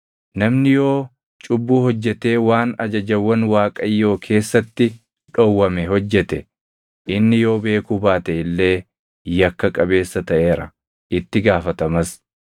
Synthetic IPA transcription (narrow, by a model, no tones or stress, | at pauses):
nɐmnɪjo̞ː | t͡ʃʼʊbːuːhɔd͡ʒːɛt̪e̞ːwaːnɐd͡ʒɐd͡ʒɐwːɐnwaːkʼɐjːo̞ːkʰe̞ːsːɐt̪ːɪ | ᶑɔwːɐmɛɦɔd͡ʒːɛt̪ɛ | ʔʔɪnːɪjo̞ːbe̞ːkubaːt̪ɐʔɪlːe̞ː | jɐkːɐkʼɐbe̞ːsːɐt̪ɐʔe̞ːɾɐ | ʔɪt̪ːɪɡaːfɐt̪ɐmɐs